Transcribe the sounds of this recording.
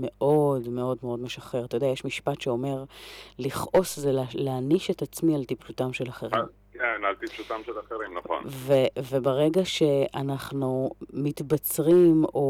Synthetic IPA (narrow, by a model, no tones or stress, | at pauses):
me̞ʔo̞dme̞o̞dmeo̞dme̞ʃaχe̞ʁat̪ajodeajeʃmiʃpatʃeo̞me̞ʁliχʔo̞szelleaniʃe̞tat͡smialt̪ipʃutamʃe̞laχeʁim | kenalt̪ipʃutamʃelaχeʁimnaχo̰nvevebeʁeɡaʃe̞ʔanaχnumitbat͡sʁimo